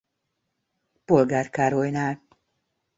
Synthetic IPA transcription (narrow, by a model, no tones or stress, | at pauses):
po̞lɡaːrkaːɾojnaːl